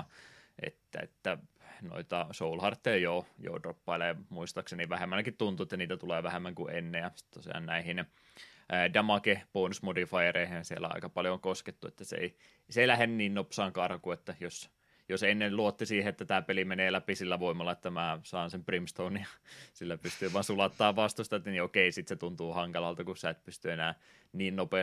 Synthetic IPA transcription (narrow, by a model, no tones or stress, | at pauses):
ʔḛt̪ːæ̰ḛt̪ːæno̰it̪ɑsoulhɑrt̪ːeɑjoːjo̰udropːɑilɑjɑmuist̪ɑkseniʋæhemːænækit̪t̪unt̪uet̪ːæniːt̪æt̪uleːʋæhemːæŋkuʔenːejɑsi̥t̪t̪osiɑ̰ːnnæihinː | dɑmɑkeponsmodifɑjereihensiḛlːˑæ̰ɑ̰ikɑpɑljoŋkosket̪ːuḛt̪ːæsḛi | seˑilæhenːyniːnnopsɑːŋkɑːrɑkuet̪ːæjos | josenːelluot̪ːisiːheet̪ːæt̪æːpelimeneːlæpisilːæʋoimːˑɑlːˑɑet̪ːæmæːsɑːnsemprimst̪ounijɑsilːæpyst̪yːʋɑnsulɑt̪ːɑːʋʋɑst̪ust̪ɑt̪niokeisit̪set̪unt̪uːhɑŋkɑlɑlt̪ɑkusæt̪̚pyst̪yenæː | niːnnope